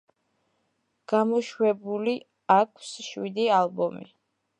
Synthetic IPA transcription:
ɡ̥amɔʃwɛbuli | akʰsʃwid̪ialˠbɔmḭ

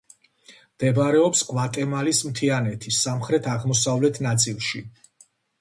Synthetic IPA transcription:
md̪̥ɛbɾɛɔpskʼvat̪ʼɛmalismt̪ʰianɛt̪ʰisːamχɾɛt̪ʰaʁmɔsavlɛt̪ʰnat̪sʼilˠʃi

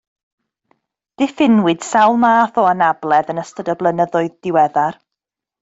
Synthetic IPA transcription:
d̥ɪfɪnwɪd̥sawlˠmaːθɔanablˠɛðənəstədəblˠənəðʊɨðd̥ɪwɛðar

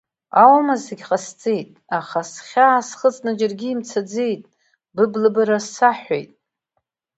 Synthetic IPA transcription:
awmazeɡʲqʼast͡sʼejtʼaχasχʲaːsχət͡sʼnad͡ʒarɡʲiːmt͡sʰad͡zejtʼ | bɨblɨbaɾasːaħʷᶣḛjtʼ

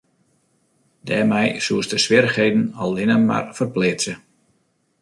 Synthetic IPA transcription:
d̥ɛ̰ːmɛjsuəsdəsʋɪɾəxɦejdən̩ɔlˠɪnəma̰rfərplɪt͡sə

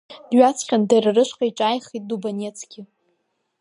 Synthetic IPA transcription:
dɥat͡sʰχʲandarɨrɨʃʷqʼaiʈ͡ʂʼajχit̚ʼdubanʲet͡sʰɡʲɪ

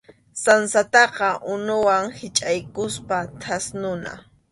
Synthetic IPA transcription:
sansat̪ɑqɑʔʊnʊwaŋhɪt͡ʃʼajkʊspat̪ʰasnʊna̰

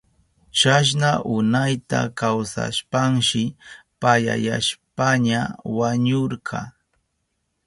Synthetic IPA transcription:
t͡ʃaʃ̬naʔʊnajt̪a̰kawsa̰ʃpaŋʃɪpaja̰ja̰ʃpaɲawaɲoɾɢʰɑ̰

